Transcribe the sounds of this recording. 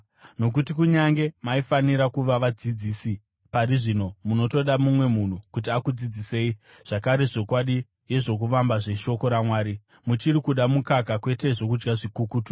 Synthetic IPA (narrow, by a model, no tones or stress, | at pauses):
no̞k̬utikuɲaŋɡe̞maifaniɾakuʋaʋad͡zid͡ziːsi | paɾiʐino̞muno̞to̞ɗamumwe̞mun̤ukut̬iakud͡zid͡zise̞ːiʐ̥akaɾe̞ʐo̞kwaɗi | je̞ʐo̞k̬uʋambaʐe̞ʃo̞ko̞ɾamwaːɾi | mut͡ʃirikuɗamukakakwe̞te̞ʐo̞k̬ud͡ʒɡaʐikukuːtu̥